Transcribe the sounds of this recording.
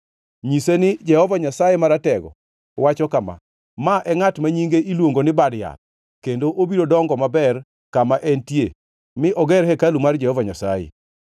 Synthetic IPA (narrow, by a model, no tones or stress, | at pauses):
ɲisenɪd͡ʒɛhɔvaɲasajemaɾatɛɡɔ̰ | wat͡ʃɔkama̰ | maʔɛŋatmaɲiŋɡeʔilwoŋɡonɪbadja̰t̪̚ | kendoʔobiɾodɔŋɡɔmabɛr | kamaʔɛntje | mɪʔɔɡɛɾɦɛkalumard͡ʒɛhɔvaɲasajḛ